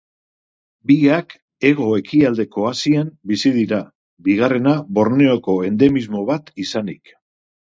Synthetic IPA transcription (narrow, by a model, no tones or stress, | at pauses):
biak | e̞ɣo̞e̞kiald̪e̞ko̞asiembisiðiɾa | biɣ̞are̞naβo̞ɾneo̞ko̞e̞nd̪e̞mizmo̞βat̪isanik